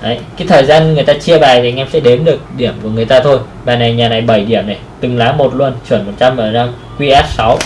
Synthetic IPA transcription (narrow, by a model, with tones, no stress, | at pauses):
ʔə˨˦jkaː˨˦jt̪ʰəː˨˩jzaː˧nŋɨ˨˩əjt̪aː˧t͡ɕi˧əɓaː˨˩i˨˧jŋʔɛ˧msɛ̰˧˥ɗe˨˦nɗɨ˨˩ək̚ɗi˧˩əmku˧˩əŋɨ˨˩əjt̪aː˧t̪ʰo˧j | ɓaː˨˩na˨˩jɲaː˨˩na˨˩jɓə˧˩jɗi˧˩əmna˨˩jt̪ɨ˨˩ŋlaː˨˦mo˨˩t̚lu˧ənt͡ɕwə˧˩ənmo˨˩t̚t͡ɕa˧mʔəː˧˩zaː˧ŋ | kwi˧ʔaː˦˥t̚sa˨˦w